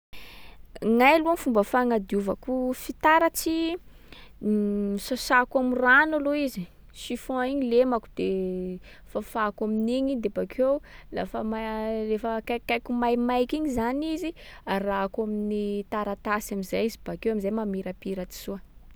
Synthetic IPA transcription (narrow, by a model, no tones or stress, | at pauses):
ŋajluanfumbəfaŋad̪iuvakufit̪aɾat͡si | sasakamiranaloizi | ʃifõiɲilemakud̪e | fafakaminiɲid̪ebakewla̰fəmarefəkakajkumajmajkiɲizaniziaraakaminit̪aɾat̪asamizajizib̥akewamizajmamiɾapiɾat̪i̥suə